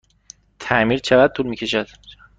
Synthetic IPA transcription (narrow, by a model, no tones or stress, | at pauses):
t̪ʰæmiɾt͡ʃʰeɣæd̪̚t̪uːlmiːcʲʰe̞ʃæd̪̥